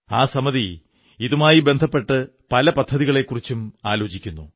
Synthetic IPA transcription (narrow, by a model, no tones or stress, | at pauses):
aːsɐmɐði | iðumaːjibe̞nd̪ʱɐpːe̞ʈːɨ | pɐlɐpɐd̪ʱːɐðiɣɐɭe̞kːurit͡ɕːumaːlo̞ːt͡ɕikʲːunːu